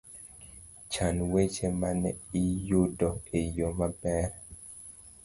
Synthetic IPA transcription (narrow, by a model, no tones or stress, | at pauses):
t͡ʃanwet͡ʃemanɛijudɔejomabɛɾ